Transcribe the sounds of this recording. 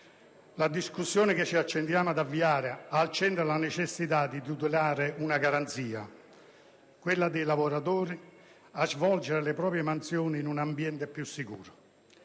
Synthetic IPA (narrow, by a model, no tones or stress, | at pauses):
lad̪iskusːjɔːnɪkɪt͡ʃːiat͡ʃːɛnd̪jaːmad̪avːiaːɾɪaːlt͡ʃɛnt̪ɾalanet͡ʃɛsːit̪ad̪it̪ut̪̬ɪlaːɾɪunaɡaɾant̪siːa̰ | kwɪlːad̪ejlavoɾat̪̬oːɾi | azvɔld͡ʒeɾelɪpɾɔːpɾjemant̪sjɔːniːnunambjɛnt̪epjusːikṵːɾʊ